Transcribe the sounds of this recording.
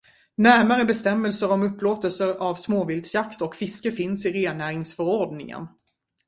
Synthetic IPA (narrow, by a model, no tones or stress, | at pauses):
næɾmaɾəbɛst̪ɛmːəlsəɾɔmɵpːloːt̪əlsəɾavsmoːvɪld̪sjakt̪ɔkfɪskəfɪnsɪɾeːnæːɾɪŋsfœɾɔɾɖnɪ̰ŋə̰n